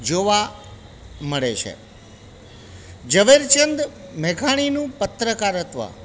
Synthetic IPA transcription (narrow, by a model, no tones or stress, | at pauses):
d͡ʒoʋa | məɭet͡ʃʰḛ | d͡ʒəʋeɾt͡ʃənd̪mɛkʰaɽ̃inũpət̪ɾəkaɾət̪ʋa̰